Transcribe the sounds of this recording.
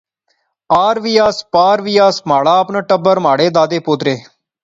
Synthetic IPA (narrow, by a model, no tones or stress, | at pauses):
aːɾʋiːaːspaːɾʋiːaːsmaːɭaːəpnaːʈəbəɾmaːɽeːd̪aːd̪eːpoːt̪ɾeː